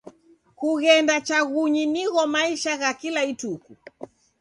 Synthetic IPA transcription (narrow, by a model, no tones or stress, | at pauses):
kuɣɛndat͡ʃaɣuɲiniɣɔmaiʃaɣakilaituku